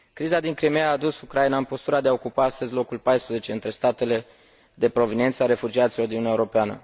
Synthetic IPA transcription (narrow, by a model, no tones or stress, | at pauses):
kɾizad̪iŋkɾimejaːd̪usukɾainaɨnpo̞st̪uɾad̪eaokupaast̪əzʲlo̞kulpajspɾəze̞t͡ʃe̞ɨnt̪ɾe̞st̪at̪e̞le̞ | d̪e̞pɾo̞vinie̞nt̪səaɾe̞fud͡ʒiat̪silo̞rd̪inujaeuɾo̞peanə̰